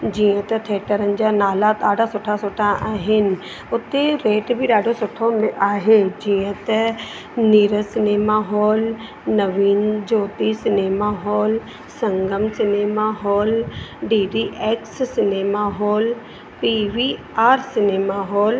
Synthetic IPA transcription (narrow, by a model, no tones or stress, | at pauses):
d͡ʑiːə̃t̪ɐt̪ʰeːʈəɾənd͡ʑanaːlat̪aːɖʱasʊːʈʰasʊːʈʰaʔaːɦɪnɪ̆ | ʊt̪ːeɾeːʈbʱiɗaːɖosʊʈʰomẽʔaːɦed͡ʑiːə̃t̪ɐ | niːɾəsɪneːmaːɦoːl | nəʋiːnd͡ʒoːt̪isɪneːmaɦoːl | sɐ̃ŋɡəmsɪneːmaɦoːlɖiːɖiːʔeːkssɪneːmaːɦoːl | piʋiː | aːɾsɪneːmaɦoːl